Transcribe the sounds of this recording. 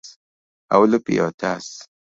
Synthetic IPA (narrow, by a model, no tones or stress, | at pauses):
a̰wlopḭo̰t̪as